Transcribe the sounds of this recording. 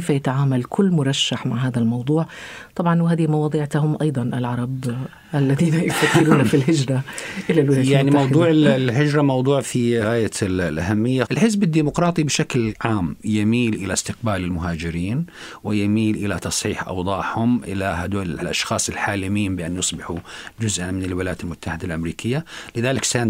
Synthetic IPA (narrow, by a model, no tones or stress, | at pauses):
fajat̪aʕaːmalkʰʊlːmʊɾˤɑʃːaħmaʕɦaːðalmɑwd̪ˤuːʕt̪ˤɑbʕɑnwɪɦaːðihmɑwɑːd̪ˤiːʕt̪ahʊmʔɑjd̪ˤɑnʔɪlʕɑɾˤɑb | ʔalːaðiːnajɪt̪ːafɪɾuːnafilɦɪd͡ʒɾˤaʔɪlalwɪlaːjaʕnimɑwdˤuːʕɪlɦɪd͡ʒɾˤamɑwd̪ˤuːʕfiɣaːjallʔahamːɪjːaɪlħɪzbɪd̪ːiːmʊqɾˤɑːt̪ˤibɪʃaklʕaːmjamiːlʔɪlast̪ɪq̚baːlɪlmʊɦaːd͡ʒɪɾiːnwɪjamiːlʔɪlat̪ɑsˤħiːħʔɑ̰wd̪ˤɑːʔhʊmʔɪ̰laɦad̪uːlɪlʔlʔɑ̰ʃxɑːsˤɪlħaːlɪmiːnbɪʔanːjʊsˤbɪħud͡ʒʊzʔanmɪnɪlwɪlaːjːat̪ɪlmʊt̪ːaħɪd̪alʔamɾiːkʰɪjːalɪðaːlɪksaːn